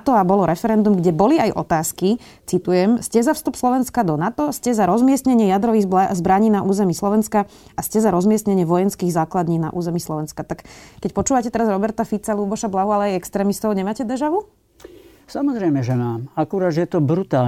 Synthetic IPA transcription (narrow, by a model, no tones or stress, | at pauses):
t̪ɔabɔlɔɾɛfɛɾɛnd̪umɡɟɛbɔliajʔɔ̰t̪aːski | t͡sit̪ujɛmscɛzafst̪upslɔʋɛnskad̪ɔnat̪ɔscɛzaɾɔzmɪɛsɲɛɲɪɛjad̪ɾɔʋiːzbɾaɲiːnaʔuːzɛmislˠɔʋɛnskaascɛzaɾɔzmɪɛsɲɛɲɪɛʋɔjɛnskiːɣzaːklad̪ɲiːna̰ʔṵːzɛmislɔʋɛnskat̪akːɛcpɔt͡ʃuːʋacɛt̪ɛɾazɾɔbɛɾt̪afit͡saluːbɔʃablaɦualɛajɛkst̪ɾɛːmist̪ɔʊɲɛmaːcɛd̪ɛʒaʋu | samɔzɾɛjmɛʒɛnaːmakuɾaːd̪ɛjɛt̪ɔbɾut̪aːl